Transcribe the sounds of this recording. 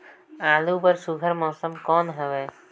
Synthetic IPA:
alubəɾsuɡʱəɾmɔsəmkɔnɦɔbe

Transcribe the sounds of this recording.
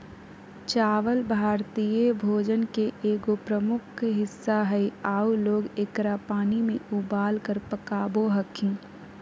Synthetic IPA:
t͡ʃaːʋəlbʱaːɾt̪ijebʱoːd͡ʒənkeʔeːɡopɾəmʊkʰɦɪsːaɦəiaːuloːɡekɾapaːnimẽʊbaːlkəɾpəkaːboɦəkʰĩː

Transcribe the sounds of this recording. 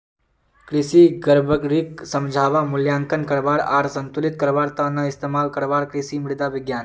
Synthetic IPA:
kɾisiɡəɾbʱəɡɾiksəmd͡ʒʱaʋamuljaŋkənkəɾʋaɽaɾsənt̪ulit̪̚kəɾʋaɽt̪ənːaist̪emalkəɾʋaɽkɾisimiɽd̪aʋiɡjaːn

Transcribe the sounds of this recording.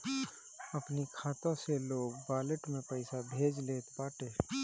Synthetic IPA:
ɐpnikʰaːt̪ãseloːɡbaːləʈmẽpəɪsabʱeːd͡ʒleːt̪baːʈeː

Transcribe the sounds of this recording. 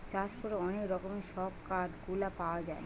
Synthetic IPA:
t͡ɕaspoɾeɔnekɾɔkomeʃɔb̚kaɾɡulapaoad͡ʑaen

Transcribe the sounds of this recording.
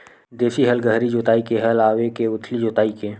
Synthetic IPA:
d̪eːsiɦɐlɡəɦɾid͡ʒoːt̪aːikeɦɐlaːwekeʊt̪ʰlid͡ʒoːt̪aːikeː

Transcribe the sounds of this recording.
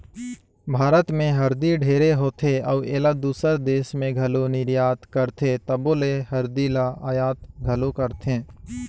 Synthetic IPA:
bʱaːɾət̪mẽɦɐɾd̪iɖʱeːɾeɦoːt̪ʰeɐːeːlad̪uːsəɾd̪eːʃmẽɡʱɐlonɪɾjaːt̪kəɾt̪ʰet̪əboːlehɐɾd̪ilaaːjaːt̪ɡʱəlokəɾt̪ʰẽː

